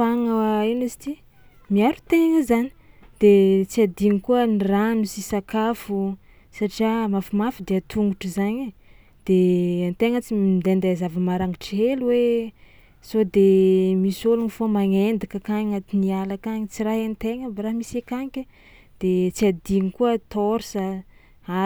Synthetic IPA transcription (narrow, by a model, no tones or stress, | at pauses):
faŋainuzi̥t̪i | miaɾu̥t̪eŋəzani̥d̪̥et͡siad̪iɲikuəniranusisakafu | saʈ͡ʂiamafimafid̪eat̪ʰuŋɡuʈ͡ʂuzaɲ | d̪̥eant̪eŋət͡siid̪and̪azavəmaɾaŋiʈ͡ʂiɦeluwe | sod̪emisolunifomaŋend̪akəkaɲat̪inialakaɲit͡siɾaɦent̪eŋəbaɾamisekaŋkʲa | d̪̥et͡siad̪iŋikuət̪oɾsə | a